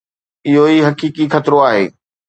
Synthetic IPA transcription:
ɪɦoiɦɐkiːkixʰɐt̪ɾoaːɦḛː

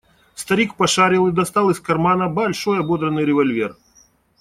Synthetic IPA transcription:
st̪ɐɾʲikpɐʂaɾʲɪlˠɨd̪ɐst̪alˠɪskɐrmanɐbɐlʲʂɔjɐbɔd̪ɾɐnːɨjɾʲɪvɐlʲvʲɛr

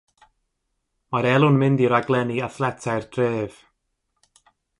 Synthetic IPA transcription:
maɾɛlˠʊnmɪndiɾaɡlˠɛniaθlˠɛtʰajrd̥reːv̥

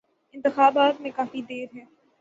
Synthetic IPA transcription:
ɪ̃nt̪ɪxaːbaːt̪mẽkaːfid̪eːɾɦɛː

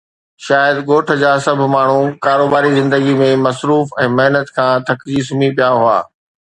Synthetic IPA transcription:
ʃaːjəd̪ɡoːʈʰə̆d͡ʑaːsɐbʱmaːɳ̤ukaːɾoːbaːɾizɪ̃nd̪əɡimẽmɐsɾuːfɛ̃ːmɐɦnət̪kʰãːt̪ʰɐkd͡ʑisʊmipijaɦʊa̰ː

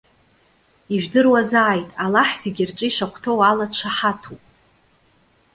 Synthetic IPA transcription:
iʒᶣdɨrwazaːjtʼalaħz̥eɡʲɪrʈ͡ʂʼɨiʂakʷʰtʰowalat͡ʃʷʰaħatʰupʼ

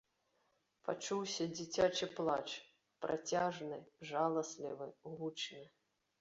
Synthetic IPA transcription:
pa̰t͡ʂuwsʲɐd͡zʲit͡sʲat͡ʂɨplˠat͡ʂ | pɾʔa̰t͡sʲaʐnɨʐalˠɐsʲlʲḭvɨɣut͡ʂnɨ

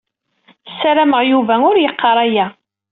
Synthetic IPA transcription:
sæɾæməʁjuvæʊɾjəqːɑɾˤæjæ

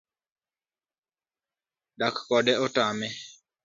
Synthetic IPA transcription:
dakːɔdɛɔtamɛ

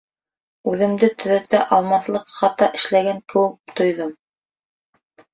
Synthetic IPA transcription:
ʉðɘ̆md̪ɘt̪ɵ̆ðæt̪æʔɑlˠmɑθlˠɤqχɑt̪ːɑʔɘ̆ʃlæɡæŋkɘ̆wɘk̚t̪ŏjðom

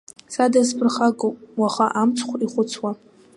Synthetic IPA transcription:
sadaspʰʼɨrχaɡʼowpʼwaχaʔamt͡sʰχʷiχʷʊt͡sʰwa

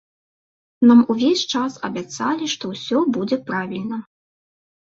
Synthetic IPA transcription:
namuvʲesʲt͡ʂasɐ̰bʲat̪salʲiʂt̪ɔwsʲɔbud͡zʲɛpɾavʲilʲnɐ

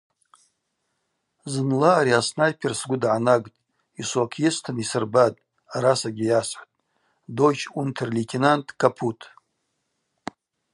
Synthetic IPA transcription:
zɨnlaːɾiasnajpʰirsɡʷʊdʕanaɡʼtʼ | iswakʰjɪstʰɨnisɨrbatʼ | aɾasaɡʲɪjasħʷtʼ | dojt͡ʃʰuntʰɨrlitʰinantʰʼkʰapʰutʰ

